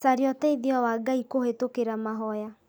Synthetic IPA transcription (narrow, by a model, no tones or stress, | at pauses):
saɾjɔtɛiðiawaɡaikohetokeɾamaɦɔja